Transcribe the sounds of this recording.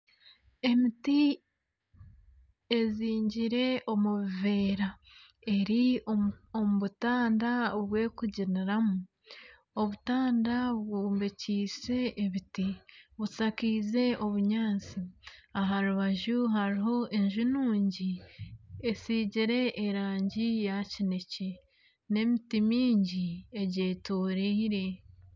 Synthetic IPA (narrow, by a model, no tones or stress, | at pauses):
e̞miti | e̞ziːɲɟiɾe̞ʔo̞muβive̞ːɾa | e̞ɾi | omuβutaːndaoβwe̞ːkuɟiniɾamu | oβutaːndawuːmbeciːse̞ʔːβitiβut͡sakiːze̞o̞βuɲaːt͡siaɦaɾuβaʒuɦaɾiɦo̞ʔeɲʒunuːɲɟi | esiːɟiɾe̞ʔːɾaːɲɟijacine̞ce | ne̞mitimiːɲɟieɟe̞ːtoːɾeiɾe̞